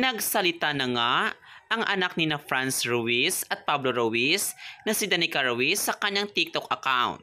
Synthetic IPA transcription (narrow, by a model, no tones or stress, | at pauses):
nɐɡsɐlɪt̪anɐŋaʔɐŋʔɐnak̚nɪnafɹansɹowisɐt̪̚pabloɾowisnɐsɪd̪ɐnɪkɐɹɐwisːɐkɐɲaŋt̪ik̚t̪okʔɐkawnt̪̚